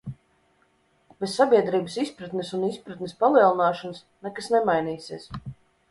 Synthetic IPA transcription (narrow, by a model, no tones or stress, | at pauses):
b̥esːabʲiɛd̪ɾiːbəsispɾat̪nesunispɾat̪nespalˠiɛlˠinaːʃans | nɛkasnɛmajniːsiɛs